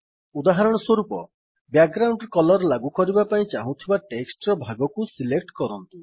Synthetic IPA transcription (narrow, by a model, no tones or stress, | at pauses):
ud̪aɦaɾɔɽ̃ɔswɔɾupɔ | bjak̚ɡɾawɳɖkɔlɔɾɔlaɡukɔɾibapaĩt͡ʃaɦũt̪ʰibaʈeksʈɾɔbʱaɡɔkusilek̚ʈkɔɾɔnt̪u